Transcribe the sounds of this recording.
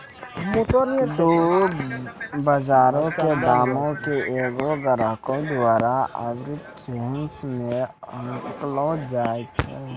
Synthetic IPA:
d̪o | bəd͡ʒaːɾõked̪aːmõkeʔeːɡoɡəɾəkõd̪ʊaːɾaə̰ɡɾɪʈɾeːnsmẽə̃ŋklõd͡ʒaːet͡ʃʰɛ

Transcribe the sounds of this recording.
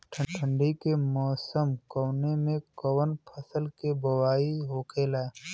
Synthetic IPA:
ʈʰəʈʰə̃ɳɖikemɔːsəmkɔːnemẽkəwənpʰəsəlkebəwaːiɦoːkʰeːla

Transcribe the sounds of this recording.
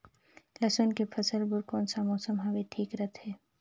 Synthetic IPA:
lɐsənkepʰɐsəlbʊɾkɔːnsamɔːsəmɦaʋeʈʰiːkɾət̪ʰɦɛː

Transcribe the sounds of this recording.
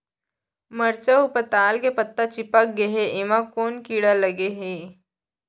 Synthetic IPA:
məɾt͡ɕaupət̪aːlkepət̪ːat͡ɕipak̚ɡeɦeʔeʋakoːnkiːɽaləɡeɦe

